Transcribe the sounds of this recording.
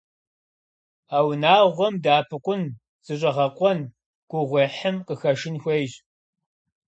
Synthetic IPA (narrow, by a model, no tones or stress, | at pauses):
aːwnaːʁʷɔmdaːpʰɨqʷʼʊn | z̥ɨɕ̬ʼɐʁɐqʷʼɔn | ɡ̥ʷʊʁʷeħəmqəxɐʃɪnxʷejʑ